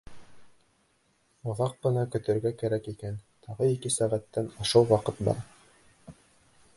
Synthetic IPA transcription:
ŏðɑq̚ːɤ̆nɑkɵ̆t̪ɘ̆ɾɡækæɾækikænt̪ʰɑʁɤikɘsæʁæt̪ːænŏʃɤw̪ˠwɑqɤt̪bɑ̰ɾ

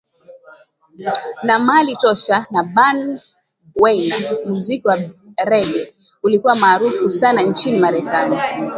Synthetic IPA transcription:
namalitɔʃanaɓan | wɛjnam̩zikiwaɾɛɡɛ | ulikuwamaːɾufusanant͡ʃinimaɾɛkani

